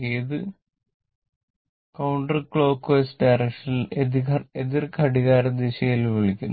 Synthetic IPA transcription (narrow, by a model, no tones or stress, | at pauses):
eːðɨ | kɐwɳɖɐrkɭo̞ːkːojsdɐjrekʂɐnediɐeðirkʰɐɽiɣaːɾɐd̪iɕɐjilʋeɭikʲːunː